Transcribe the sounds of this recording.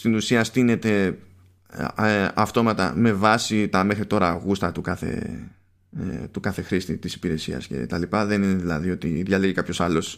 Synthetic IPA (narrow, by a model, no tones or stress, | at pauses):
st̪inusiɐst̪ine̞t̪e̞ | ɐft̪o̞mɐt̪ɐ̰me̞vɐsit̪ɐme̞xɾit̪o̞ɾɐːɣust̪ɐt̪ukɐθe̞̰ | t̪ukɐθe̞xɾist̪it̪isi̥piɾe̞siɐ̰sce̞̰t̪ɐlipɐðe̞nine̞ðilɐ̰ðio̞t̪iðʝɐleʝekɐpço̞sɐlo̞s